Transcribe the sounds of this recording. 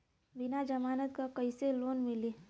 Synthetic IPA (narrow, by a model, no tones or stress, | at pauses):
bɪnad͡ʒɐmaːnət̪kakɐiseloːnmɪliː